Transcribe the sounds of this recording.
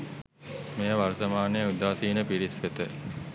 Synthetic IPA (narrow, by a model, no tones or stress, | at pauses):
mejəʋaɾt̪əmaːnejəud̪aːsiːnəpiɾisʋet̪ə